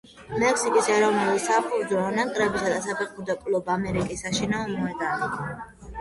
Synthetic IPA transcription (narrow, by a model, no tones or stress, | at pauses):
mɛksikʼisɛɾɔvnulisapʰud͡ʒɔːnaŋkʼɾɛbisad̪asapʰɛqʼud̪akʼlɔbaːmɛɾikʼisːaʃinaɔmɔɛd̪ani